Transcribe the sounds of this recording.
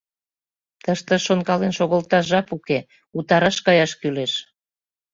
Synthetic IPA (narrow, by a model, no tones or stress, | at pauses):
t̪əʃt̪ə̆ʃonkɑlenʃoɣəlt̪ɑʒɑpuke | ut̪ɑɾɑʃkɑjɑʃkyleʃ